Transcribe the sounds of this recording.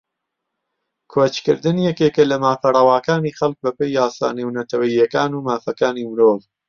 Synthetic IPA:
kʰot͡ʃkɨ̰ɾd̪ɨnijɛkeːkɐlɐmaːfɐrˤɐwaːkaːnixɐlk̚bɐpejːaːsa̰ːneːwnɐt̪ɐwɐiːɐkaːnuːmaːfɐkaːniːmɨɾoːv

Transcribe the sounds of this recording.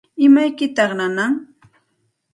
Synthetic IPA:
ɪmajkɪt̪ɑχnanaŋ

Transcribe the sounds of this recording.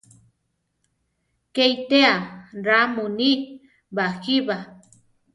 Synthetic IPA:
kejt̪eaɾamuni | baxiβa

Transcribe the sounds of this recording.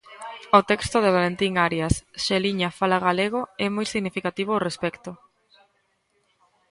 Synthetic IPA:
ot̪ɛkst̪ʊðeβalent̪iŋaɾjasʃeliɲafalaɣaleɣ̞oɛmojsiɣnifikat̪iβ̞oorespɛkt̪o

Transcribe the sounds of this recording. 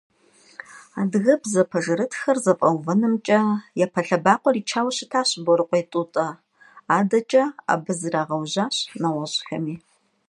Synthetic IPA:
aːdɨɣɐbzɐpʰɐʒɐɾɨtʰxɐrzɐpʼɐwvɐnɨmt͡ʃʼɐjapʰɐɬɐbaːqʷʼɔriːt͡ʃʰaːwɐɕɪtʰaːɕbɔɾɨqʷʼejtʼuːtʼɐ | aːdɐt͡ʃʼɐa̰ːbɨzɨraːʁɐwʑaːɕnɐwɐʑʼxɐ̰miː

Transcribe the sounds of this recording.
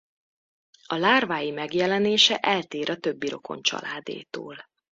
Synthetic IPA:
ɒlaːrvaːjimɛɡjɛlɛneːʃɛʔɛlt̪eːɾɒt̪ø̞bːiɾo̞̰kʰo̞̰nt͡ʃɒ̰laːd̪ḛːt̪o̰ːl

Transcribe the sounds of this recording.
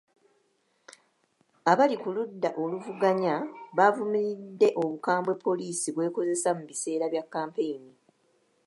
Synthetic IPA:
aβalikuludːaʔo̞luvuɡaɲaβavumiɾidːe̞ʔo̞βukaːmbwe̞pːo̞liːsiβwe̞ːko̞ze̞samuβise̞ːɾaβjakːaːmpe̞jini

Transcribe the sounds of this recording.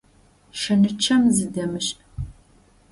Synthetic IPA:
ʃɐnɨt͡ʃʰɐmzɨdɐmɨɕʼ

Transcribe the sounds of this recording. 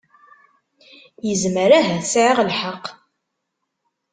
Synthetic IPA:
jəzməɾæɦæθsʕiʁlħaqː

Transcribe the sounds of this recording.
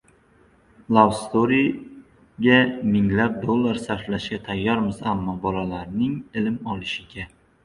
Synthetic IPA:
lˠawst̪oɾi | ɡʲamɪŋlap̚d̪olˠːaɾsaɾflaʃɡʲat̪ʰajːɒɾmɪzamːɒbɒlalaɾnɪŋɪlɪmɒlɪʃɪɡʲa

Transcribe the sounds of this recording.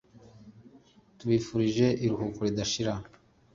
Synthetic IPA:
tuβifuɾiʒe̞ʔiɾuhukuɾidaʃiɾa

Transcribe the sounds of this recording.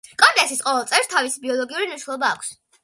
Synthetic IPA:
kʼɔnt̪ʼɛsisqʼɔvɛlˠt̪ʼɛvɾst̪ʰavisibiɔlˠɔɡiuɾiniʃnɛlˠɔbaːkʷʰs

